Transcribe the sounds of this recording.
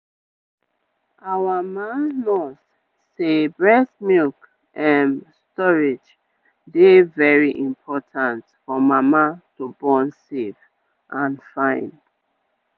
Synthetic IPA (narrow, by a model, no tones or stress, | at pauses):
ʔawamãnmɔs | sebɹɛsmilk | ʔãnstɔɹid͡ʒ | devɛɹiʔĩmpʰɔtʰãntfɔmamatubɔ̃nsef | ʔãnfãɪ̃n